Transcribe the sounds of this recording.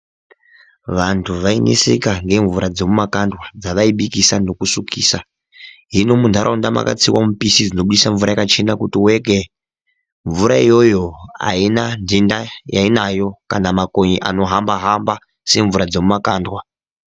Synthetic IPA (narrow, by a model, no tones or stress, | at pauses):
ʋantʰuʋainḭsḛkaŋɡe̞ɱvuɾad͡ze̞mumakandwad͡zaʋaiɓikisano̞kusukʰiːsa | ɦino̞mundʱaɾʔaundama̰ka̰t͡siwamupisid͡zino̞ɓuɗisaɱvuɾajakat͡ʃe̞nakutiwe̞ke | ɱvuɾaijo̞jo̞a̰inandindajainajo̞kanamakoɲiʔa̰no̞ɦambaɦamba | se̞ɱvuɾad͡ze̞mumakaːndwa